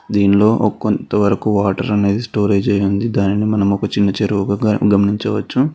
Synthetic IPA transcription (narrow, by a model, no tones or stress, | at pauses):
d̪iːnlo̞ːʔkːont̪ɐʋɐɾɐkuʋaːʈɐɾɐne̞ːd̪isʈo̞ːɾe̞ːd͡ʒɐjund̪id̪aːninimɐnɐmɔkɐt͡ʃinːɐt͡ʃeɾuʋɐɡaɐɡɐmɐniɲt͡ʃɐʋɐt͡ʃːu